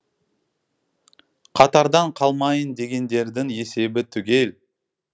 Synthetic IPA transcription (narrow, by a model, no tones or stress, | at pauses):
qʰɑt̪ɑɾd̪ɑɴqʰɑlˠmɑjənd̪e̞ɡʲe̞nd̪e̞ɾd̪ɪŋje̞se̞bɪt̪ʰʏɡʲe̞l